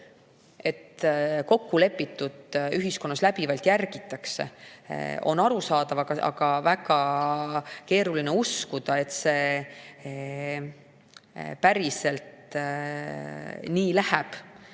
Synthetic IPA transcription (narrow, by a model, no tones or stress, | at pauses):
e̞t̪ko̞kːule̞pːˑit̪ːˑud̪̥yɦisko̞nːɑslæpivɑlt̪jærɡ̥it̪ːˑɑkse̞̰ | o̞̰nːɑɾusɑːd̪ɑvɑɡ̥ɑɑ̰ɡ̥ɑvækɑ | ke̞ːɾulineuskud̪̥ɑet̪se̞ː | pæɾise̞lt̪ | niːlæhæb̥